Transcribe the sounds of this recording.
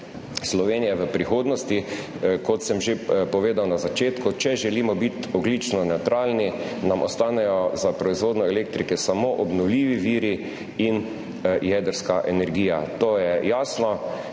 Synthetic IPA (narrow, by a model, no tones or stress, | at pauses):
slɔʋeːnijɛʋəpɾixoːd̪nɔst̪i | kɔt̪sɛmʒepɔʋeːd̪awnazat͡ʃeːt̪kʊt͡ʃɛʒɛlimɔbit̪ɔɡlit͡ʃnɔnɛwt̪ɾʔaːlninamʔɔst̪aːnɛjɔzapɾɔizʋoːd̪nɔɛlekt̪ɾikɛsamoːʔɔbnɔwliːʋiʋiːɾi | in | jɛd̪əɾskaʔɛnɛɾɡiːjat̪oːjɛjaːsnɔ